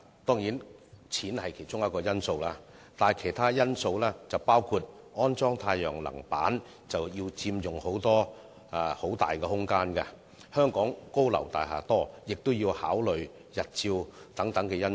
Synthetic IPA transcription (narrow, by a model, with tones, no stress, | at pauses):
t̪ɔː˥ŋjiː˨˥nt͡sʰiː˨˥nhɐ˨jkʰe˨˩jt͡ʃʊ˥ŋjɐ˥t̚kɔː˧jɐ˥nso˧wlaː˥ | t̪aː˨jkʰe˨˩jt̪ʰaː˥jɐ˥nso˧wlɛː˥t͡sɐ˨wpaː˥wkʰuː˧t̚ | ɔː˥nt͡sɔː˥ŋt̪ʰaː˧jœː˨˩ŋlɐ̰˨˩ŋpa̰ː˨˥n | t͡sɐ˨wjiː˧wt͡siː˧mjʊ˨ŋho˨˥wt̪ɔː˥˧ | ho˨˥wt̪a̰ː˨˩jkɛ˧hʊ˥ŋkaː˥nkɐ˧ | hœː˥ŋkɔː˨˥ŋko˥wlɐ̰˨˩wt̪aː˨jɦa̰ː˨˩t̪ɔː˥jɪ˨k̚t̪ʊ˥wjiː˧whaː˨˥wlɵ˨ɥ | jɐ˨t̚t͡siː˧wt̪ɐ˨˥ŋt̪ɐ˨˥ŋkɛ˧jɐ˥n